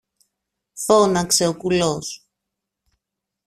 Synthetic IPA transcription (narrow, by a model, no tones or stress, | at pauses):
fo̞nɐkse̞o̞kulos